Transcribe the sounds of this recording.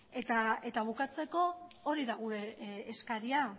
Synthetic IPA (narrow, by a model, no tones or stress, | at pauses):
e̞t̪ae̞t̪aβ̞ukat͡se̞ko̞oɾiðaɣuɾe̞ːskaɾia